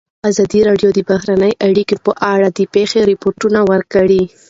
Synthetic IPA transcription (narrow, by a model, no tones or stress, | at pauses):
azɑd̪iɾɑɖjod̪əbaɦɾanəjʔaɽikepəʔaɽad̪əpexeɾɪpoɾʈunawəɾkəɽi